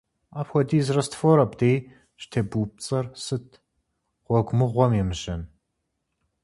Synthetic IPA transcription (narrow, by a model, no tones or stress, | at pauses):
apxʷɔdiːzrɐstfoɾɐbdej | ʃtʰeːbuːp̚t͡sʼɐrsɨtʰ | ʁ̥ʷɔɡʷmɨʁʷɔmjɛmɨʒɐn